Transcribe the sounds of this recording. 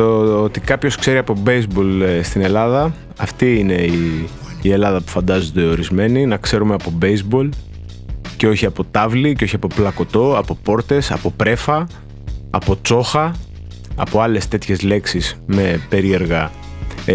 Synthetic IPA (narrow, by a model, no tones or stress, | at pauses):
oot̪ikɐpço̞skse̞ɾiɐpo̞bejzbo̞lst̪ine̞lɐðɐ | ɐft̪iine̞iː | e̞lɐðɐpu̥fɐnd̪ɐzond̪e̞o̞ɾizme̞ninɐkse̞ɾumeɐpo̞bejzbo̞l | ceo̞çiɐpo̞t̪ɐvliceo̞çiɐpo̞plɐko̞t̪o̞ɐpo̞po̞ɾt̪e̞sɐ̰po̞pɾe̞fɐ | ɐ̰po̞t͡so̞xɐ | ɐpoɐle̞st̪e̞t̪çe̞zle̞ksisme̞pe̞ɾie̞ɾɣɐ